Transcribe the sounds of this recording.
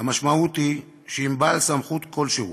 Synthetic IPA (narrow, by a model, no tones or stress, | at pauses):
amaʃmaut̪hi | ʃeimbalsamχut̪kʰo̞lʃeṵ